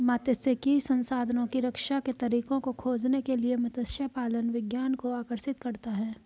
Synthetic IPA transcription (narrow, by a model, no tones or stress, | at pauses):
maːt̪əsekisɐ̃nsaːd̪ʱnõkiɾɐkʃaket̪ɐɾiːkõkokʰoːd͡ʒnekeliemɐt̪əsjapaːlənʋɪɡjaːnkoaːkəɾʃɪt̪kɐɾt̪aɦɛː